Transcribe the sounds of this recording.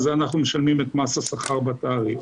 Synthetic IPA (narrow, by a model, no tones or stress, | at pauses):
zeanaχnumeʃalmimet̪masasaχaʁbat̪aːʁi